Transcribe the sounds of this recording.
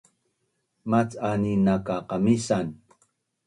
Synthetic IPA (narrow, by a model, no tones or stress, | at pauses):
mat͡saninakaqamisan